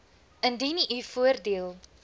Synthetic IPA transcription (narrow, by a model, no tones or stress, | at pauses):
ʔəndiniʔyfuərdiəlˠ